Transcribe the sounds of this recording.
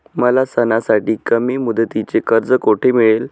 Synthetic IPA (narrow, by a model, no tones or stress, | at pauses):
məlasənasaʈiːkəmiːmud̪ət̪it͡sekəɾd͡zəkoʈʰemiɭel